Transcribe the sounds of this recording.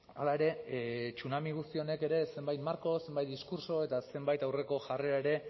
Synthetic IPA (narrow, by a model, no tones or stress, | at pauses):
alae̞ɾe̞t͡ʃunamiɣ̞ust̪io̞ne̞ke̞ɾe̞se̞mbajt̪maɾko̞se̞mbajt̪̚d̪iskuɾso̞e̞t̪ase̞mbajt̪awre̞ko̞ʝare̞ae̞ɾe̞